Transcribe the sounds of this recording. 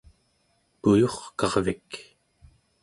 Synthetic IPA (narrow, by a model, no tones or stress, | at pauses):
pujoχkɑʁvik